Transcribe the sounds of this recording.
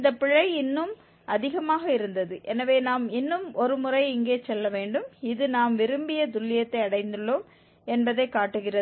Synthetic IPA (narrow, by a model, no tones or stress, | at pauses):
ɪnd̪ɐpːɪɭːɐɪɪnːɯm | ɐðɪɣɐmaːɣɐɪɾɯnd̪ɐðɯʔɛnɐʋeːnaːmɪnːɯmɔɾɯmʊrɐɪɪŋɡeːt͡ʃɛlːɐʋeːɳɖɯmɪðɯnaːmʋɪɾɯmbɪjɐd̪ʊlːɪjɐt̪ːɐɪɐɽɐɪnd̪ɯɭːoːm | ɛnbɐðɐɪkːaːʈːɯɣɪrɐ